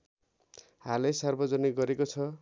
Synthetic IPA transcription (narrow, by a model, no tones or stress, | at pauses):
halejsarbʌd͡zʌniɡʌɾekot͡sʰʌ